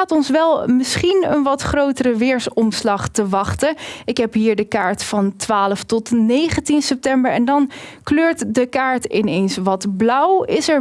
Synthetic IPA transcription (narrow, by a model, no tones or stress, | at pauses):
aːtɔnsʋɛlˠmɪsχinə̰nʋɑtχrowtəɾəʋɪːɹsɔmslɑχtəʋɑχtəɪkɦɛpɦiːɹdəkaːɹtfɑntʋaːləftɔtnejχəntinsɛp̚tɛmbəɹɛndɑnkløːɹtdəkaːɹtɪnejnsʋɑtblʌwɪsɛɹ